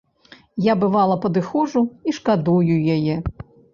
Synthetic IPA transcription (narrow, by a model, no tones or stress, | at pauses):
jabɨvalˠɐpɐd̪ɨxɔʐuiʂkad̪ujujajɛ